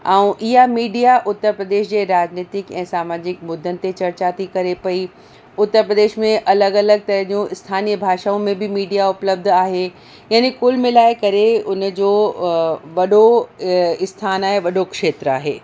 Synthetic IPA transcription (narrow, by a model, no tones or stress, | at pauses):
aũʔɪɦamiːɖijaʔʊt̪ːəɾpɾəd̪eːʃd͡ʑeːɾaːd͡ʑniːt̪ɪkɛ̰̃ːsaːmaːd͡ʑɪkmʊd̪ʱːənɪ̆t̪et͡ɕɐɾt͡ɕaːt̪ikɐɾepɐi | ʊt̪ːəɾpɾəd̪eːʃmẽʔɐləɡɐləɡ̚t̪ɐɾəɦd͡ʑũɪst̪ʰaːnijəbʱaːʃaːũmẽbʱɪmiːɖijaʊpləb̚d̪ʱaːɦe | jaːnikʊlmɪ̃laːekɐɾeʊnd͡ʑoː | ʋɐɗo | ɪst̪ʰaːnaːɦeʋɐɗokʃeːt̪ɾa̰ːɦḛː